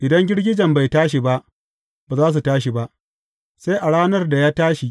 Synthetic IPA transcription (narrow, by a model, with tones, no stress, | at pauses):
ʔɪ˨dɐ˦ŋɡʲɪ˦ɽɡʲɪ˦d͡ʒɐ˨mba˨jtaː˦ʃ̬i˨ba˦ʔ | baː˨zaː˦s̬u˨taː˦ʃ̬i˨ba˦ʔ | sa˦jʔa˨ɽaː˦nɐ˦rda˨jaː˦taː˦ʃi˨ʔ